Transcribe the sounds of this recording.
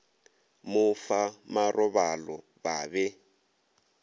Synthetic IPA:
mʊfamarʔɔβalɔ | βaːβɛ

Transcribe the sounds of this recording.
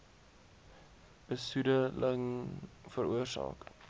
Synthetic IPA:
b̥əsudələŋfəruərsɑ̰ːk

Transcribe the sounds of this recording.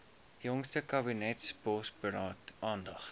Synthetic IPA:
jɔŋstəkɐbinɛtspɔsbəɾɑːtʔɑːndɐχ

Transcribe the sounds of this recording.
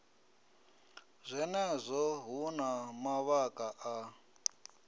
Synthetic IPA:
zʷɛnɛzʷɔɦunamaβakʼaʔa

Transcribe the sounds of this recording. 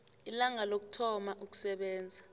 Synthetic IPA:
ilaŋalok̬u̥tʰɔmaʔuk̬u̥sɛɓɛːnd͡zʱa

